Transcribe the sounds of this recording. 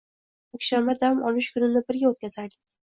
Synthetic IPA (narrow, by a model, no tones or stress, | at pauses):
akʲʃanbad̪amɒlɪʃkʰʊnɪnɪbɪɾɡʲaot̪kʲazaɾd̪ɪkʲ